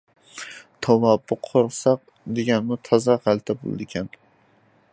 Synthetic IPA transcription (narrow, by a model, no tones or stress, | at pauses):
t̪ʰɒvɒbʊqʰoɾsɑq̚ | d̪eɡʲanmʊt̪ʰɒzɑʁalˠt̪ʰabo̰l̰ˠd̪ɪkʲʰan